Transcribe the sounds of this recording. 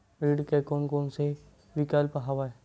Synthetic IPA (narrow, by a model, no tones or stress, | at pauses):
ɾiːɖkekoːnkoːnse | ʋɪkaːlpəɦaʋaɛ